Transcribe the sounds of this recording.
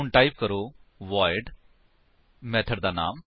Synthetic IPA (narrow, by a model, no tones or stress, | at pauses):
ʊɳʈaːipkəɾoːʋaːɪɖ | mɛːt̪ʰəɖd̪aːna̰ːm